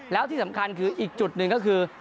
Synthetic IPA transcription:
lɛː˦˥wt̪ʰiː˧˩a˩˦mkʰa˧nkʰɯː˧ʔiː˨˩k̚t͡ɕu˨˩t̪̚nɨ˨˩ŋkɔ˦˥kʰɯː˧

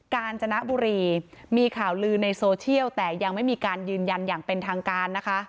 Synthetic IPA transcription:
kaː˧nt͡ɕʰa˧na˦˥ʔbuː˧ɾiː˧miː˧kʰaː˨˩wlɯː˧na˧jsoː˧t͡ɕʰi˥˩əwt̪ɛː˨˩ja˧ŋma˥˩jmiː˧kaː˧njɯː˧nja˧njaː˨˩ŋpe˧nt̪ʰaː˧ŋkaː˧nːa˦˥kʰa˦˥ʔ

